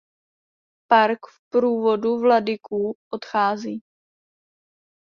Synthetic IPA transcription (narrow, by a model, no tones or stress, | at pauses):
paɾkfpɾuːvo̞duvladɪkʰuːʔot̪xaːziː